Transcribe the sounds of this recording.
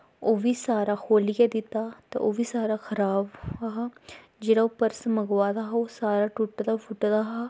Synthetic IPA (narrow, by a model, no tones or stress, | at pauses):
oːʋiːsaːɾaːkʰoːlɪjad̪ɪt̪aːt̪ɛ̰ʔoːʋiːsaːɾaːxʰəɾaːbaɦaː | d͡ʒeːɽaːopəɾsməɡʋaːd̪aːɦaoːsaːɾaːʈʊʈd̪aːpʊʈd̪aːɦaː